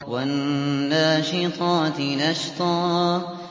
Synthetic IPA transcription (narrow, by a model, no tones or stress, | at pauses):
wanːaʃɪt̪ˤɑːt̪naʃt̪ˤɑː